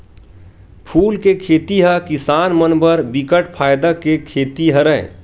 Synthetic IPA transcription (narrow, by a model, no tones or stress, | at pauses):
pʰuːlkekʰeːt̪iɦəkɪsaːnmənbəɾbɪkəʈpʰaːjd̪akekʰeːt̪iɦəɾə̰̃